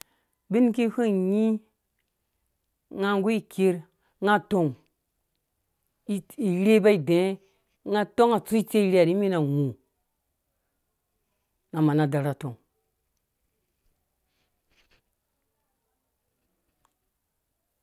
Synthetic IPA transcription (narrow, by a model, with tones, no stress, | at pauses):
bi˦nki˦hu˦ɲi˦ | ŋa˦ŋɡu˦i˦ke˦ɾ | ŋa˦to˨ŋ | i˦i˨ɾe˦ba˦i˨dẽ˨˦ | ŋa˦to˦ŋa˨t͡su˦i˦t͡ʃe˦i˨ɾi˦a˨ɾi˦mi˦na˨ŋu˨ | na˨ma˨na˨da˨ɾa˨to˨ŋ